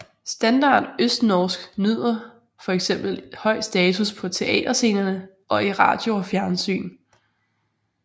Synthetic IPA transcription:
sd̥ænd̥ɑ̰̈ːd̥øsd̥nɒːsɡ̥nyð̞̰ˠɐ | fɒ̽eɡ̥sem̰b̥l̩hɒ̽ɪ̰sd̥ɛːt͡sʰuspʰɒ̽t͡sʰe̝ʔɛ̰ːd̥ɐse̝̰ːnɐnə | ʔɒ̽iʁɑ̰̈ːd̥jo̝ɒfjæɐnsy̰ːn

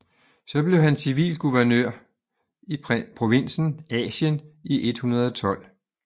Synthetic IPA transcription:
sɒ̽b̥le̝ʊhænsiʋḭːlɡ̥uʋɐnøɐ̰ | ipʰʁo̝ʋe̝n̰sn̩ɛ̰ːɕəniʔe̝d̥hunɐð̞ˠɒ̽t͡sʰɒ̽l̰

